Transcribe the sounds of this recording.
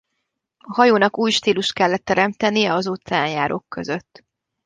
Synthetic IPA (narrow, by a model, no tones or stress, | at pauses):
ɒɦɒjoːnɒkuːjʃt̪iːluʃt̪̚kɛlːɛt̪ːɛɾɛmt̪ɛnijɛɒzut̪saːnjaːɾʔo̞̰kːø̞zøt̪ː